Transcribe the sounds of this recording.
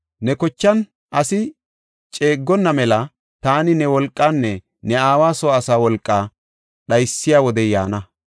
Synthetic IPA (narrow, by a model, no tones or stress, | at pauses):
nɛkɔt͡ʃːɐn | ʔɐsɪ | t͡ʃʼeːɡːɔnːɐmɛlɐ | t̪aːnɪnɛwɔlkʼːanːɛ | nɛaːwaːsɔːsaːwɔlkʼːa | ɗɐjsːɪjaːwɔd̪ɛjaːnɐ